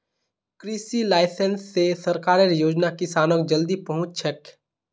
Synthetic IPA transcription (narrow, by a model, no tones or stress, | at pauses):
kɾiːsilaːɪsənsːesɐɾkaːɾeɾjoːd͡ʒnakɪsaːnokd͡ʒɐld̪ipɐɦʊ̃t͡ʃsʰəʈ